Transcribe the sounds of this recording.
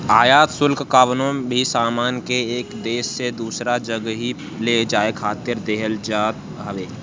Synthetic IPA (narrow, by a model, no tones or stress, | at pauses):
aːjaːt̪sʊlkkaːʋnõbʱisaːmaːnkeeːkd̪eːʃːed̪uːsɾad͡ʒəɡɦi | led͡ʒaːekʰaːt̪ɪɾd̪eɦəld͡ʒaːt̪ | ɦəʋeː